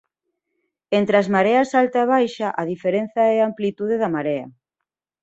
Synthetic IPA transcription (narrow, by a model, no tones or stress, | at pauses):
ent̪ɾeazmaɾeasalt̪aeβ̞ajʃaʔaðifeɾenθaɛamplit̪uðeðɐmaɾɛɐ̰